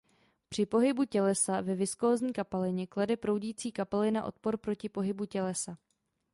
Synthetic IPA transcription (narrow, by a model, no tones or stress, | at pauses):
pr̥ɪpo̞ɦɪbucɛlɛsavɛvɪskoːzɲiːkapɛlɪɲɛkladɛpɾo̞wɟiːt͡siːkapɛlɪna̰ʔo̞̰t̪̚po̞ɾpɾo̞cɪpo̞ɦɪbucɛlɛsa